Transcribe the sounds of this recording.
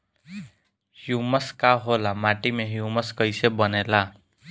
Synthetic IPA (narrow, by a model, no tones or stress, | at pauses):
hjuməskaɦolamaʈimẽɦjuməskəjsebənela